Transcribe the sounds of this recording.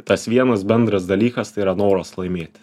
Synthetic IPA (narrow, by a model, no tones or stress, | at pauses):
t̪ɐsʋʲiɛnɐsbʲɛnd̪ɾɐsd̪ɐlʲiːkɐst̪ɐiːɾɐnoːɾoslˠɐɪmʲeːt̪ʲ